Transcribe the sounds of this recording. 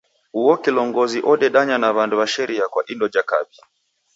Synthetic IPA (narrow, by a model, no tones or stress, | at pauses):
uɔkilɔŋɡɔziʔɔɗɛɗaɲanaβanduβaʃɛɾʔiakwaʔindɔd͡ʒaka̰bia